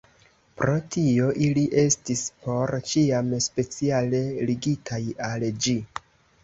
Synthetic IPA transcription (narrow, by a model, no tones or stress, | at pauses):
pɾo̞tʰio̞ʔiliʔe̞stispo̞ɾt͡ʃiamspe̞t͡siale̞liɡitʰajald͡ʒi